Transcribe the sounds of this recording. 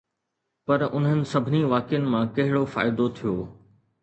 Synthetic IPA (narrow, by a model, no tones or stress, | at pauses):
pɐɾʊnɦənɪ̆sɐbʱɪniʋaːkɪjənɪ̆mãkɐɦɪɽofa̰ːɪd̪ot̪ʰijoː